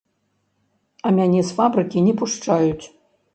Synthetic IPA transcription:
ɐmʲanʲɛsfabɾɨkʲinʲɛpuʂt͡ʂajut͡sʲ

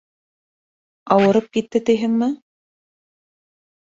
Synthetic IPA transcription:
ɑwɤ̆ɾɤp̚kit̪ːɘt̪ɘ̆jɦɘŋmɘ

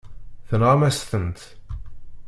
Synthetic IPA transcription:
θənʁamæst̪ənt̪

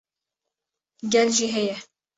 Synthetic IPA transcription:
ɡʲɛlʒiɦɛjɛ

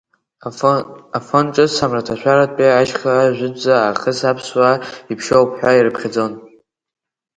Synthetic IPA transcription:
afonʈ͡ʂʼɨsamratʰaʃʷᶣaɾatʼpʼiaʃχaaʒᶣʷʊd͡zaːχəsapʰswaipʰʃowpʰħʷᶣairɨpʰχʲad͡zo̞n

